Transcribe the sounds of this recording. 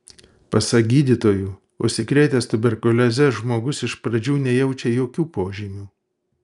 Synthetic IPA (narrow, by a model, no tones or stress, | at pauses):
pɐsɐɡʲiːd̪ʲit̪oːjuː | ʊ̰ʃʲsʲɪkɾʲɛɪt̪ʲɛst̪ʊbʲɛɾkʊlʲozʲɛʒmoːɡʊsɪʃpɾɐd͡ʒʲuːnʲɛjɛʊt͡ʃʲɛjoːkʲuːpoːʒʲimʲuː